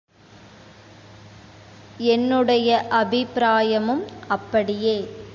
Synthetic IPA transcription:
ɛnːɯɽɐjɐʔɐbʱɪpɾaːjɐmɯmɐpːɐɽɪjeː

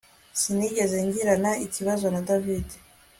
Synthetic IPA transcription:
siniɟe̞zeɲɟiɾanaiciβazo̞nadavide

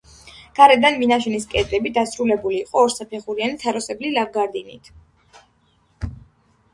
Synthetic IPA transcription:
ɡ̥aɾɛd̪anminaʃ̬ɛniskʼɛd̪ɾɛbid̪asɾulɛbuliːqʼɔːɾsapʰɛχuɾianit̪ʰaɾɔsɛblilaɡaɾd̪inḭt̪ʰ

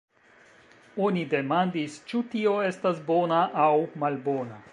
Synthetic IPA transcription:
o̞nide̞mandist͡ʃutio̞e̞stasbo̞naʔawmalbo̞na

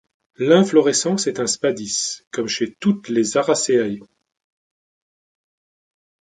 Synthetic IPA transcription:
lɛ̃flɔʁɛsɑ̃sɛt̪ɛ̃spad̪iskɔmʃet̪ut̪lezaʁaseaj

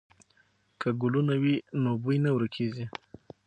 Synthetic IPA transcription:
kʰaɡʊlunawinobujnawɾkʰezi

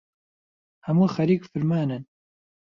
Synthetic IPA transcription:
hɐmuːxɐɾiːkfɨɾmaːnɨn

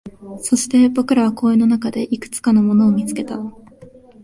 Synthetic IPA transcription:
so̞ɕi̥t̪e̞bo̞kɯ̟ɾaβako̞ːeno̞nakad̪e̞ʔikɯ̟̥t͡sɨ̥kano̞mo̞no̞ːmʲit͡sɨ̥ke̞t̪a

